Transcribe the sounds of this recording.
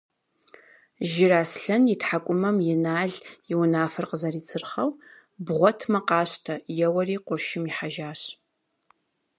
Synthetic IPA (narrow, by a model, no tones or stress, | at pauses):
ʒɪraːsɬɐnjɪtħakʷʼʊmɐmjɛnaːɮjɪwʊnaːfɐrqəzɐriːt͡sʰɨrχɐw | bʁʷɔtʰmɐqɑːɕtʰɐjɛwɐriːqʷʊrʃɪmiħaʒaːɕ